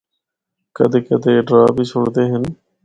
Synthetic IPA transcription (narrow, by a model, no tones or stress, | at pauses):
kəd̪ʱeːkəd̪eːɖɾaːbʱiːsʰʊɽd̪eːɦən